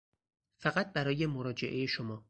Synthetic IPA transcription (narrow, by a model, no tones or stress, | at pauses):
fæɣæt̪̚bæɾɒːje̞moɾɒːd͡ʒe̞ʔe̞jeʃomɒː